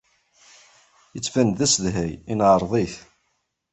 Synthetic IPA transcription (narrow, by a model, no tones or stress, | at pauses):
jət͡sːfænðæsðɦæjinʕəɾˤðˤiθ